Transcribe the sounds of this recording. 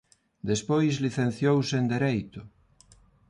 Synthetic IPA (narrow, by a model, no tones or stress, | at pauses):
d̪espojzliθen̟θjowsend̪eɾejt̪ʊ